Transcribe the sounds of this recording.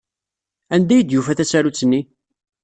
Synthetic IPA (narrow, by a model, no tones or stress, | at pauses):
ænd̪æjəd̪jufæθæt͡sːæɾut͡sːənːi